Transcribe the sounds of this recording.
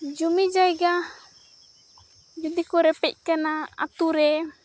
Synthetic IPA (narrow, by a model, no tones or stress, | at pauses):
d͡ʒumid͡ʒajɡa | d͡ʒud̪ikɔɾɛpɛc̚kanaa̰t̪uɾɛ